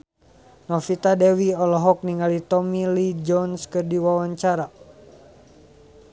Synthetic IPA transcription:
nɔfit̪adɛwiɔlɔɦɔk̚niŋalit̪ɔmilid͡ʒɔnskɨrdiwawaɲt͡ʃaɾa

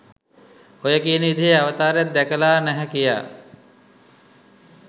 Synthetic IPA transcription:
ojəkiəniid̪ʱijeaʋət̪aːɾjat̪̚d̪ækəlaːnæɦɛkija̰ː

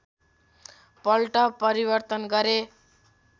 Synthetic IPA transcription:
pʌlʈʌpʌɾibʌrt̪ʌnɡʌɾe

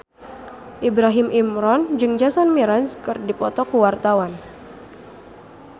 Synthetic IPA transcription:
ʔibɾaɦimʔimɾɔnd͡ʒɨŋd͡ʒasanmiɾanskɨrdipɔt̪ɔkuwart̪awan

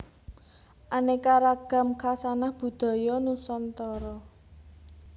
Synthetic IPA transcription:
ʔanekaɾaɡ̥a̤mkʰasanahb̥ṳd̪̥ɔ̤jɔnusɔnt̪ɔɾɔ

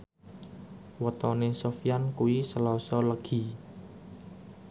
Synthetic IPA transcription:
wət̪ɔnesofijankuwisəlɔsɔləɡ̥i̤

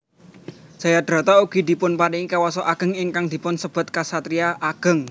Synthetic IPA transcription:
sajad̪̥ɾa̤t̪auɡ̥i̤d̪̥i̤pʊnpaniŋikawasɔʔaɡ̥ə̤ŋɪŋkaŋd̪̥i̤pʊnsəb̥a̤t̪̚kasat̪ɾiaʔaɡ̥ə̤ŋ

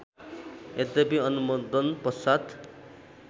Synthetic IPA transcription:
ed̪ʌbiʌnumɔd̪ʌnpʌsad̪

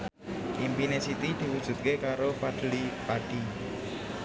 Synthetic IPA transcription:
ʔimpinesit̪id̪̥i̤wud̥ʒ̥ṳt̪̚kekaɾopaɖ̪̥əlipaɖ̥i

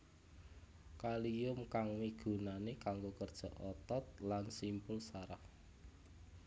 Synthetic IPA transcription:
kalijʊmkaŋwiɡ̥ṳnanekaŋɡokərd̥ʒ̥a̤ʔɔt̪ɔt̪̚lansimpʊlsaɾah

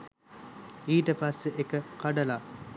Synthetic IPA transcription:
iːʈəpɐsːeʔekəkɐɖɐla

